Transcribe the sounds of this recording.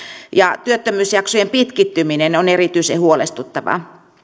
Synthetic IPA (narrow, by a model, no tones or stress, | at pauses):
jɑt̪yøt̪ːømyːsjɑksojempit̪kit̪ːyminenonerit̪yisehuolḛst̪ut̪ːɑʋɑ̰